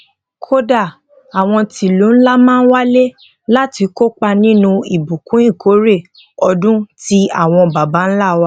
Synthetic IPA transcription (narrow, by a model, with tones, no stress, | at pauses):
kʰo˦da˦˨ | a˨w̃ɔ̃˧tʰi˧lu˨˦n̩˦la˦mãː˦˧n̩˦wa˦le˦ | la˦ti˧ko˦k͡pa˧nĩ˦nũ˧i˨bu˨kũ˨˦ĩ˦˨ko˨˦ɾe˦˨ | ɔ˧dũ˦ti˦a̰˦˨w̃ɔ̃˧ba˨ba˨˦n̩˦la˦˨wa˦